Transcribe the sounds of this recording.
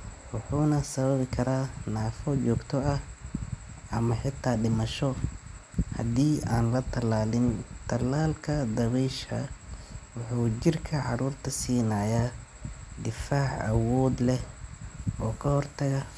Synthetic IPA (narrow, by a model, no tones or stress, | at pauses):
wʊħuːnɐsɐβɐβɪkʰɐɾaːnaːfɔt͡ʃɔːɡt̪ʰɔɐ | ʔɐmɐħɪt̪ʰːaːɖɪmɐʃɔ | hɐ̰d̪iːaːnlɐt̪ʰɐlaːlɪnt̪ʰɐlːaːlkʰɐd̪ɐβɛjʃʰɐ | wʊħuːt͡ʃɪrkʰɐʕɑɾuːrt̪ʰɐsiːnaːja | d̪ɪfaːʕɐ̰wɔːd̪lɛh | ɔːkʰɐhɔrt̪ʰɐɣɐ